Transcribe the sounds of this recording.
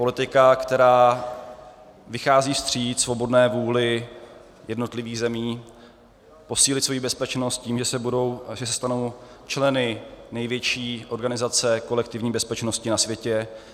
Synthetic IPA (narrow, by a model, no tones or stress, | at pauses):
polɪt̪ɪkakt̪ɛɾaː | vɪxaːziːfst̪r̥iːt̪svo̞bo̞dnɛːvuːlɪ | jɛdno̞t̪lɪviːɣzɛmiː | po̞siːlɪt̪svo̞jiːbɛspɛt͡ʃnost̪̚ciːmʒɛsɛbudo̞wʒɛsɛst̪ano̞w | t͡ʃlɛnɪnɛjvjɛt͡ʃiːʔo̞ɾɡanɪzat͡sɛko̞lɛk̚t̪ɪvɲiːbɛspɛt͡ʃnoscɪnasvjɛcɛ